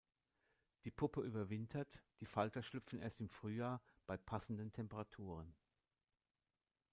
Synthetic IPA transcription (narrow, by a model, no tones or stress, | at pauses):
d̥iːpʰʊpəʔyːbɐvɪntʰɐtd̥iːfaltɐʃlʏpp͡fn̩ʔḛːɐstɪmfʁ̥yːjaːɐb̥aɪpʰasn̩dəntʰɛmpəʁatʰuːʁ̞ən